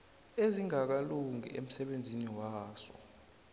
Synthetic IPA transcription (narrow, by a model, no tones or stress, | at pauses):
eziŋak̬aluŋḭʔḛm̩sɛɓend͡zʱiniwaːsɔ̰